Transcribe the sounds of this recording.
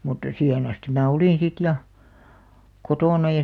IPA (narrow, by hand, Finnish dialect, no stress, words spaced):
mutːɑ siːhen ɑstim mæː oliˑn sit jɑ kotoˑnɑ jɑ